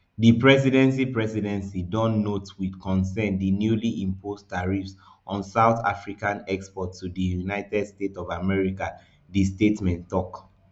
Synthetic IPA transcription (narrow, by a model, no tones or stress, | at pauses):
dipɹɛsidɛ̃nsipɹɛsidɛ̃nsidɔ̃nːotwidkɔ̃nsɛ̃ndinjuliʔĩmpʰostaɹifs | ʔɔ̃nsaʊθa̰fɹikãnɛkspɔtʰːudijunaɪtɛdstetɔvamɛɹika | distetmɛ̃ntːɔk